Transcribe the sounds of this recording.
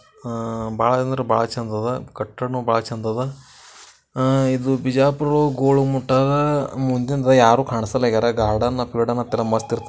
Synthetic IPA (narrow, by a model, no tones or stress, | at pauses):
baːɭɐt͡ʃɐnd̪ɾɐba̰ːɭɐt͡ʃɐnd̪ɐd̪ɐkɐʈːɐnuːbaːɭɐt͡ʃɐnd̪ɐd̪ɐ | id̪ubid͡ʒaːpɾɐɾoɡoːɭumuʈːɐɾɐmuɲd͡ʒind̪ɾɐjaːɾuːkaːɳisɐlːɐɡɐɾɐɡaːɽɐnːɐpiːɽɐnːɐt̪ɛlɐmɐst̪iɾt̪